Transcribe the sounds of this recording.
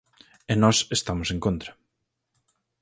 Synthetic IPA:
enɔsest̪amosẽŋkõnt̪ɾɐ

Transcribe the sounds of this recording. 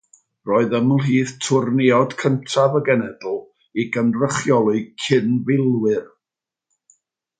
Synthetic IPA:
rɔːɨðəməlˠɦiːðtʰʊrniɔd̥kʰəntʰavəɡɛnɛdlˠ | iɡənrəχjɔlˠʊkʰɪnvɪlˠwɪr

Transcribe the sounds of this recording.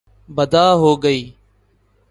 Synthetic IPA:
bəd̪ʱaːɦoːɡəiː

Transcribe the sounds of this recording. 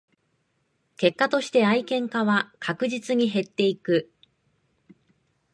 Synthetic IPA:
ke̞kːat̪o̞ɕi̥t̪e̞aikẽ̞ŋkaβakʰakɯ̟ʑit͡sɨɲ̟iɦe̞t̪ːe̞ikɯ̟

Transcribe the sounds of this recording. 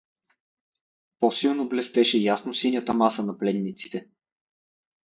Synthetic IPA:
posilˠnoblɛst̪ɛʃɛjasnosinʲjət̪əmasənɐplɛnːit̪si̥t̪ɛ

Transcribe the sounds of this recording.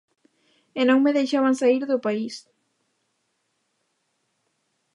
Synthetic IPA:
enõŋmeðejʃaβaŋsaiɾðʊpais

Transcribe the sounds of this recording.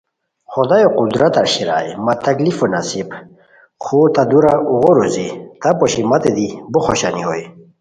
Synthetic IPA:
χod̪ajoqud̪ɾat̪aɾɕiɾa̰jmat̪ɐklifunasib | χut̪ad̪uɾaʔuɣoɾuzit̪apoɕimat̪ed̪iboxoɕanioj

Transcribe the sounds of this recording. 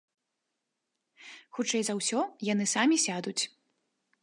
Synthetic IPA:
xut͡ʂɛjzɐwsʲɔjanɨsamʲisʲad̪ut͡sʲ

